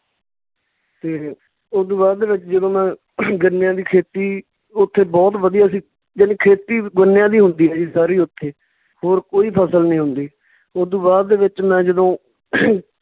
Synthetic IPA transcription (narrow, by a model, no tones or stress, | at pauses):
t̪eː | ʊd̪ũːbaːɾd̪eːʋɪt͡ʃd͡ʒəd̪õːmɛ̃ː | ɡənɪjãːd̪iːkʰeːt̪iː | ʊt̪ʰːeːbɔːt̪ʋəd̪ijaːsĩː | d͡ʒənekʰeːt̪iːɡənɪjãːd̪iːɦʊnd̪iːɛːd͡ʒiːsaːɾiːʊt̪ʰːeː | hoːɾkoːiːpʰəsəlnĩːɦʊnd̪iː | ʊːd̪ũːbaːɾd̪eːʋɪt͡ʃmɛ̃ːd͡ʒəd̪õː